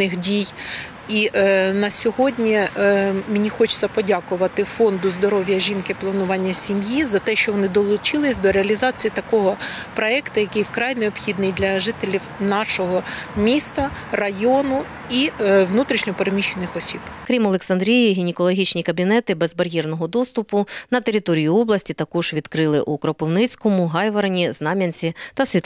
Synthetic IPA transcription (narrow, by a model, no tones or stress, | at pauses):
nɪxdʲij | inɐsʲɔɦɔdʲnʲi | mɪnʲixɔt͡ʃʊ̥t͡sʲːɐpɔdʲɑkʊʋɐt̪ɪfɔnd̪ʊzd̪ɔɾɔʋʲjɐʒʲinkɪplˠɐnʊʋɑnʲːɐsʲimjizɐt̪ɛʃt͡ʃɔʋɔnɪd̪ɔlˠʊt͡ʃɪlˠɪsʲd̪ɔɾeɐlʲizɑt͡sʲijit̪ɐkɔɦɔpɾɔɛkt̪ɐjɐkɪjwkɾɑjneɔbxʲid̪nɪjd̪lʲɐʒɪt̪elʲiwnɑʃɔɦɔmʲist̪ɐrɐjɔnʊ | iʋnut̪ɾʲiʃnʲɔpeɾemʲiʃenɪxɔsʲibkɾʲimɔlˠeksɐnd̪ɾʲijiɦʲinʲɪkɔlˠɔɦʲit͡ʃnʲikɐbʲinɛt̪ɪbɛzbɐɾʲjɛrnɔɦɔd̪ɔst̪ʊpʊnɐt̪eɾʲit̪ɔɾʲijʊɔblˠɐsʲtʲit̪ɐkɔʒ̥ʋʲid̪kɾɪlˠɪʔukɾɔpɪwnɪt͡sʲkɔmʊɦɑjʋɐɾɐnʲiznɑmʲɐnʲt͡sʲit̪ɐsʲʋʲit̪